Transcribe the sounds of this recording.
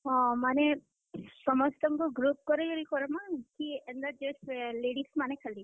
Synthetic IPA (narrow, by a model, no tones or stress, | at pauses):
ɔ̃mane | sɔmɔst̪ɔŋkuɡɾup̚kɔɾeɡɔɾikɔɾɔmakiɛnd̪ad͡ʒesleɽismanekʰali